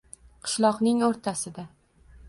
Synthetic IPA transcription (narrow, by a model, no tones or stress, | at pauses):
qʰɨ̥ʃlˠɒqnɪŋoɾt̪ʰasɪd̪a